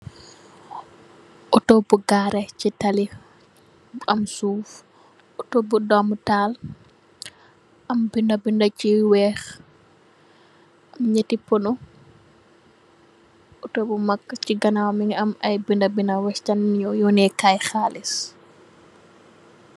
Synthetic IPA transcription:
ʔɔtɔbuɡaːɾɛcitɐli | ɐmsuːf | ʔɔtobudɔmtaːl | ʔɐmbindɐbindɐciwɛːx | ʔɐmɲɛtipɔnu | ɔtobumɐkːciɡɐnawmiŋɐmɐjbindabinɐwɛstanɲɔjɔːnɛkajxaːlis

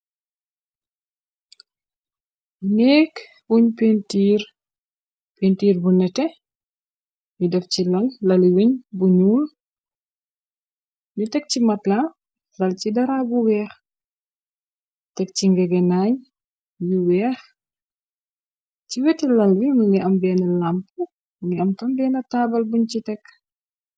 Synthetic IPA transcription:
nɛːk | wuɲpentiːɾ | pentiːɾbunɛtɛ | mudɛfcilɐllɐliwiɲbuɲuːl | ɲutɛk̚cimɐtla | lɐlcidɐɾaːbuwɛːx | tɛk̚ciŋɡɛɡɛnaːɲ | juwɛːx | ciwɛtɛlɐlwimuŋiʔɐmbɛːnɐlamp | mŋɡiɐmtɐmbɛːnɐtaːbɐlbuɲt͡ʃitɛkː

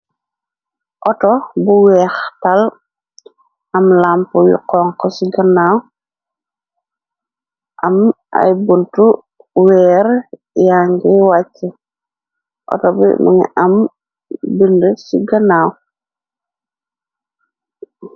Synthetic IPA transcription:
ʔɔtɔbuwɛːxtal | ʔɐmlampuwḭqɔŋkɔsiɡɐnaw | ʔɐm | ʔa̰jbuntu | wɛːɾ | jaŋɡɛwat͡ʃːɛ | ʔɔ̰tɔbḭmʔa̰ŋɛ̰ʔam | bindəsiɡɐnaːw

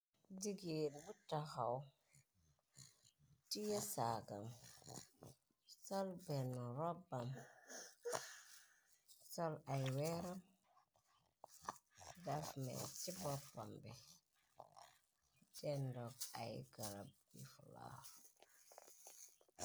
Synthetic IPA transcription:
diɡenbutːaxaw | tijəsaɡa̰m | sɔlbɛnaɾɔbːam | sɔlajwɛɾam | dafmɛ̰t͡ʃibɔpːambɛ | d͡ʒɛndɔka̰jɡaɾab̚ɡḭfula̰

